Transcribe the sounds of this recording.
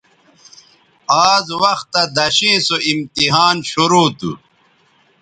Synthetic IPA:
aːzwɐxt̪ːɐd̪ɐɕeːsoʔimt̪iɦaːnɕuɾoːt̪ṵ

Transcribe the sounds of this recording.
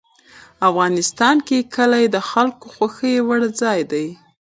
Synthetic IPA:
afɣɑnɪst̪ɑnkekʰəlajed̪əxalkoxwaxəjewaɽd͡zɑjd̪aj

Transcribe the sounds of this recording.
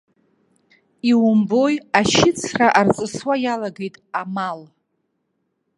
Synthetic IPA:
iwʊmbo̞jaʃɪt͡sʰraʔart͡sʼɨswajalaɡe̞jtʼamal

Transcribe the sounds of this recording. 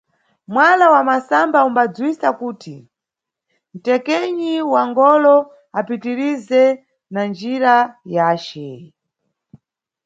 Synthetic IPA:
mwalawamasambaumbad͡zwisakuːtʰi | n̩tɛkɛɲiwaŋɡɔlɔ | apitiɾizɛ | nand͡ʒiɾajaːt͡ʃɛ

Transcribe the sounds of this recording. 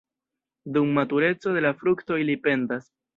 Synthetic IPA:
dumːatuɾe̞t͡so̞de̞lafɾukto̞ilipe̞ndas

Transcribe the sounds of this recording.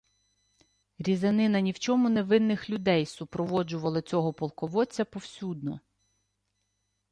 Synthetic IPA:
ɾʲizɐnɪnɐnʲiwt͡ʃɔmʊne̞ʋɪnːɪxlʲʊd̪ɛjsʊpɾɔʋɔd͡ʒʊʋɐlˠɪt͡sʲɔɦɔpɔlˠkɔʋɔt͡sʲːɐpɔwsʲud̪̚nɔ

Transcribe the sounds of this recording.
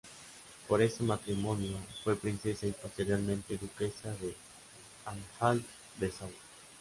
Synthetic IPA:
poɾesemat̪ɾimõnjofwepɾinsesaipast̪eɾjalmẽnt̪eðukesaðe | aɱfalt̪ | d̪esaw

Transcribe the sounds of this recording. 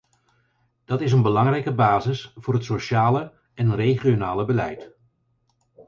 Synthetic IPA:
d̥ɑtɪs̬ənbəlɑŋrɛjkəbaːzɪsvʊːrɦətsoʃaːlə | ɛnrejχijonaːləbəlɛ̰jt

